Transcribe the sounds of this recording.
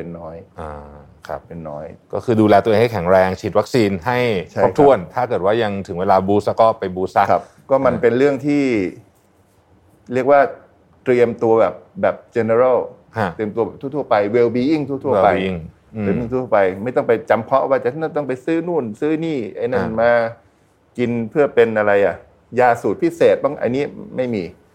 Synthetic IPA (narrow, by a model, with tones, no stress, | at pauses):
pe˧nːɔː˦˥jʔaː˧˩ | kʰa˦˩p̚pe˧nːɔ̰ː˦˥jkɔ̰ː˥˩kʰɯː˧duː˧lɛː˧t̪u˧ŋha˥˩jkʰɛ˩˦ŋɾɛː˧ŋt͡ɕʰiː˨˩t̪̚wa˦˥k̚siː˧nɦa˥˩jʰa˥˩p̚t̪ʰu˧˩ənt̪ʰaː˥˩kɤː˨˩t̪̚waː˥˩ja˧ŋt̪ʰɯ˩˦ŋweː˧laː˧buː˧˦˥sa˧˥kɔː˥˩pːa˧jbuː˧sa˦˥kʰa˦˩p | kɔː˥˩ma˧npe˧nɾɯ˥˩əŋt̪ʰiː˥˩ | ɾi˥˩ək̚waː˥˩ | t̪ɾi˧əmt̪u˧ɐbɛː˨˩p̚bɛː˨˩p̚t͡ɕe˧ne˧ɾa˥˩wʰ | t̪ɾi˧əmt̪u˧bɛ˨˩t̪uː˥˩t̪ʰu˥˩ə˨pa˧jwe˧wbiː˧˦ji˥˩ŋt̪ʰu˥˩˨t̪ʰu˥˩ə˧a˧jŋː˧ | e˧wi˥˩t̪u˥˩u˥˩pa˧jma˥˩jt̪ɔ˥˩ŋpa˧jt͡ɕa˧mpʰɔ˦˥ʔwaː˥˩t͡ɕa˨˩a˥n˥˩t̪ɔ˥˩ŋpa˧jsɯː˦˥nuː˥˩nsɯː˦˥niː˥˩ʔa˧jna˥˧˥nmaː˧ | ki˧npʰɯ˥˩əpe˧nʔa˧ɾa˧jʔa˨˩ʔ | jaː˧˩su˨˩t̪̚pʰi˦˥seː˨˩t̪̚ba˥˩ŋʔa̰˧ni˦˥ma˥˩jmiː˧